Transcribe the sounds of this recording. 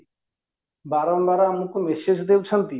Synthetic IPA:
baɾɔmbaɾamukumeʃed͡ʒd̪ewt͡ʃʰant̪i

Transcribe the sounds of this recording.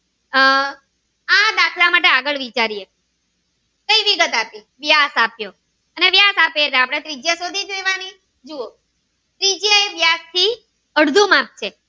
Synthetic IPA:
ãd̪akʰlamaʈeaɡəɭʋit͡ʃaɾije | kəiʋiɡət̪api | ʋjasapjo | əneʋjasapeet̪ʰẽapɽ̃et̪ɾid͡ʒjasod̪ʱid͡ʒojʋani | d͡ʒuo | t̪ɾid͡ʒjaeʋjast̪ʰi | əɽd̪ʱumap̚t͡ʃʰe

